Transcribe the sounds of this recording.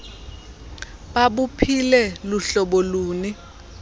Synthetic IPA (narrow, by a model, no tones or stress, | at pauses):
ɓaɓupʰilɛluɬɔɓoluːni